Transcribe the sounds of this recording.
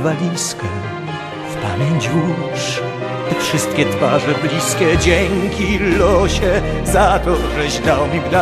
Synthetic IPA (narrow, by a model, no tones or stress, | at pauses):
valʲiskɛ | fpa̰mʲjeɲd͡ʑvuʂ | t̪ɛfʂɨst̪kʲɛt̪faʐɛblʲiskʲɛd͡ʑɛŋkʲilɔɕɛ | zat̪ɔʐɛʑd̪awmʲibd̪a